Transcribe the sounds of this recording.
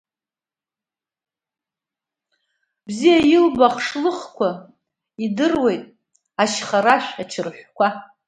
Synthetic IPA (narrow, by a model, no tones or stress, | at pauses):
bzijajɪlbaχʂlɨχkʷʰa | idɨrwe̞jtʼ | aʃχaɾaʃʷᶣat͡ʃʰɨrħʷkʷʰa